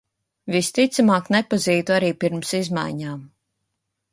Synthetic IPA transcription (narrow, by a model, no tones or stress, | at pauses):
vist̪it̪samaːknepaziːt̪uaɾiːpiɾmsizma̰jɲaːm